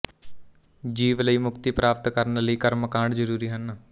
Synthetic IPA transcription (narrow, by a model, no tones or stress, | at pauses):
d͡ʒiːʋləiːmʊkt̪iːpɾaːp̚t̪kəɾnləiːkəɾməkãːɳɖd͡ʒəɾuːɾiːɦən